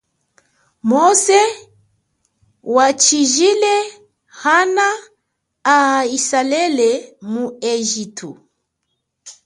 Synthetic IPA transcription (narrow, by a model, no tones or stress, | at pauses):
mɔsɛ | wat͡ʃiʒilɛ | hanaː | aisalɛlɛmuɛʒitʰṵ